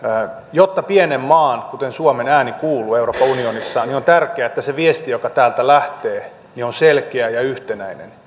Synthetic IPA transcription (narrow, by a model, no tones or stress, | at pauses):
jot̪ːɑpienemːɑːnkut̪ensuomenæːnikuːluːeuroːpːɑunionisːɑniont̪ærkˑeæet̪ːæseʋiest̪ijokɑt̪æːlt̪ælæht̪eː | nionselkeæjɑyht̪enæinḛn